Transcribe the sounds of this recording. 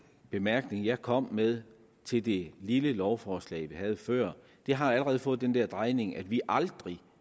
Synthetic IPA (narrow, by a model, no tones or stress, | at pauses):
b̥e̝mæɐɡ̥ne̝ŋjɑ̈ɪkʰɒ̽m̰með̞ˠ | t͡sʰe̝ld̥e̝liləlɒʊfɒːslɛ̰ːɪʋihæð̞̩ˠfɶɐ̰ | d̥e̝ɦɑ̈æləʁɛːð̞̩ˠfɔ̽ːð̩ˠd̥end̥ɛɐ̰d̥ʁɑ̈ɪne̝ŋʔæd̥ʋiʔɑ̈ld̥ʁi